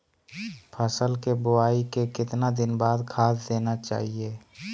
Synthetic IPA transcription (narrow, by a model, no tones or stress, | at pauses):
pʰəsəlkebʊaːikekɪt̪nad̪ɪnbaːd̪kʰaːsd̪eːnat͡ʃa̰ːɦieː